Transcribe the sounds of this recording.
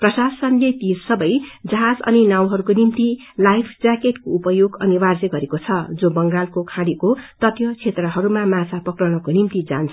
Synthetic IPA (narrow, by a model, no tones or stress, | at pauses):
prʌsasʌnlet̪isʌbʌjd͡zʌɦad͡zʌ̰ninaw̃ɦʌɾukonimt̪i | lajpʰd͡zakeʈkoupʌjoɡʌnibard͡zeɡʌɾekot͡sʰʌd͡zobʌŋɡalkokʰãɽikot̪ʌt̪jʌt͡sʰet̪rʌɦʌɾumamat͡sʰapʌkrʌñʌkonimt̪id͡za̰nt͡sʰ